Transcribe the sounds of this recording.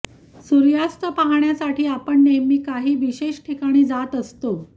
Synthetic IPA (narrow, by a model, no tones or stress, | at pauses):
suɾjast̪əpaɦaɳjasaʈʰiːapəɳːemiːkaɦiːʋiɕeɕʈʰikaɽ̃iːd͡zat̪əst̪o